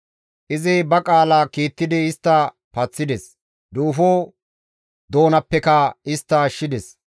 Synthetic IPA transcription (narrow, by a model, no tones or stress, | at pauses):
ʔɪzɪbɐkʼaːlakiːt̪ːɪd̪ɪːst̪ːɐ | pɐt͡sːɪd̪ɛs | d̪uːfoː | d̪o̞ːnɐpːɛkɐɪst̪ːɐʃɪd̪ɛs